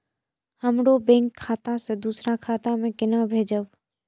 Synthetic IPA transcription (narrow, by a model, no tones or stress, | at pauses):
həmɽobẽŋkʰːaːt̪ãsed̪uːsɾakʰaːt̪amẽkɪnabʱeːd͡ʒəʋ